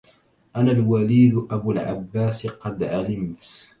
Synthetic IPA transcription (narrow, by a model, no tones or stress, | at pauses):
ʔanalwaliːd̪ʔabulʕa̰bːaːsqɑd̪ʕalɪmt̪